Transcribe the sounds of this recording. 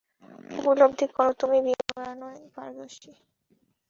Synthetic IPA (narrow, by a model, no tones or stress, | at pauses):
o̰pilob̚d̪ʱikɔɾot̪umibiɾanɔenpa̰ɾd̪oʃi